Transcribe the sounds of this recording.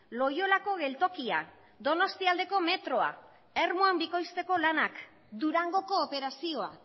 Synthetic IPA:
lo̞jo̞lako̞ɣe̞lt̪o̞kia̰ | d̪o̞no̞st̪iald̪e̞ko̞me̞t̪ɾo̞a̰ | eɾmuambiko̞jst̪e̞ko̞lanak | d̪uɾaŋɡo̞ko̞ːpe̞ɾasio̞a̰

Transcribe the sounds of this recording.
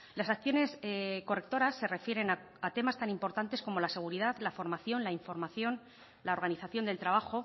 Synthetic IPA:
lasakθjo̞ne̞sko̞re̞k̚t̪o̞ɾasːe̞re̞fje̞ɾe̞na | at̪e̞mast̪animpo̞ɾt̪ant̪e̞sko̞mo̞lase̞ɣ̞uɾiðaðlafo̞ɾmaθjo̞nlaiɱfo̞ɾmaθjo̞n | lao̞ɾɣ̞aniθaθjo̞nd̪e̞lt̪ɾaβaxo̞

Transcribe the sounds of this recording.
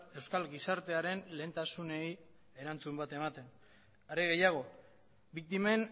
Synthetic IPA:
e̞wskalɡisaɾt̪e̞aɾe̞nle̞ːnt̪asune̞j | e̞ɾant͡sumbat̪e̞mat̪e̞n | aɾeɣe̞jaɣ̞o̞ | bik̚t̪ime̞n

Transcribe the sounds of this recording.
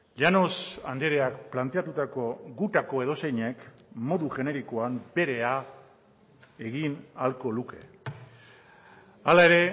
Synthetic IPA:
ʎano̞sa̰nd̪eɾeakplant̪e̞at̪ut̪ako̞ɡut̪ako̞e̞ð̞o̞se̞jɲe̞kmo̞ðuʝe̞ne̞ɾikoambe̞ɾe̞a | e̞ɣinalko̞luke̞̰ | alae̞ɾe̞

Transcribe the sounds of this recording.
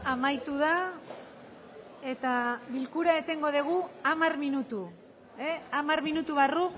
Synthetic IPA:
amajt̪uða | e̞t̪aβilkuɾaet̪e̞ŋɡo̞ðeɣ̞uamarminut̪u | eamaɾminut̪uβaru

